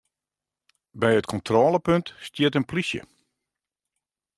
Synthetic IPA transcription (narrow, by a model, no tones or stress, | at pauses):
bɛjətkʰɔntʰroːləpøntstjɪtənplisjə̰